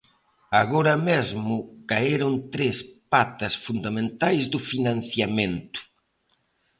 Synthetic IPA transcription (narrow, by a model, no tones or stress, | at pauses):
aɣoɾɐmezmʊkaeɾʊnt̪ɾespat̪ɐsfund̪amẽnt̪ajzðʊfinãnθjamẽnt̪ʊ̥